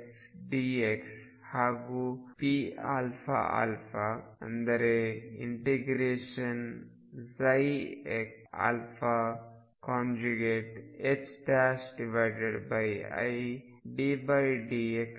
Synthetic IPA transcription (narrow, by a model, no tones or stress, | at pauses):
ksɖieks | haːɡupia̰ːlfʰa̰a̰ːlfaɐ̰̃nd̪ɐɾeḭɳʈeɡɾeːʃɐn | zɐjek | a̰ːlfʰa | kãːnd͡ʒuɡeːʈet͡ʃʈasɖiʋaɪɖeɖbajɐ̰j | ɖibɐjɖieks